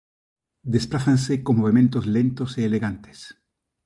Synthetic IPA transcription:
d̪e̞splaθanseko̞nmoβemẽ̞nt̪ozle̞nt̪o̞seːleɣant̪e̥s

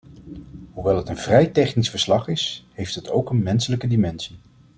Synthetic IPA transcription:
ɦuʋɛlˠɦətənvrɛjtɛχnisfəɹslɑχɪshejftətʰo̰wkənmɛnsələkədimɛnsi

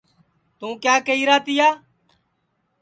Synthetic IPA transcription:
t̪ũːkjaːkəiːɾaːt̪ɪjaː

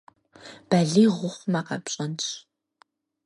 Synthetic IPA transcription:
b̥aɮiːʁʷʊχʷmaːqɐ̰pɕʼɐnt͡ʃ

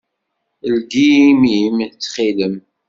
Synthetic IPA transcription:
əlɡiimimt͡sːχiləm

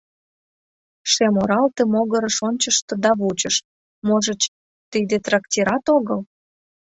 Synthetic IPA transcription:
ʃemoɾɑlt̪emoɣəɾəʃonʲt͡ɕəʃt̪ɤ̆d̪ɑβut͡ɕəʃ | moʒət͡ɕ | t̪id̪et̪rɑktʲiɾɑt̪oɣəl

